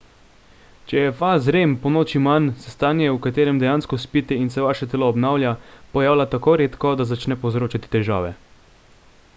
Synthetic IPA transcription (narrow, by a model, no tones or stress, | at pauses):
t͡ʃɛjɛfazɾeːmpɔnoːt͡ʃimansɛst̪aːnjɛukat̪eːɾɛmd̪ɛjaːnskɔspiːt̪ɛinsɛʋaːʃɛt̪ɛlɔːbnaːwlʲjapɔjaːwlat̪akoːɾeːt̪kɔd̪azat͡ʃnɛpowzɾoːt͡ʃat̪i̥t̪ɛʒa̰ːʋɛ